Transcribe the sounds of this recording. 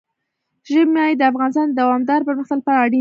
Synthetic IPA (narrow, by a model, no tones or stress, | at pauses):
ʒəbmːjɑjed̪əafɣɑnɪs̬t̪ɑnd̪awɑmd̪ɑɾpəɾməxt̪əlpəaɽi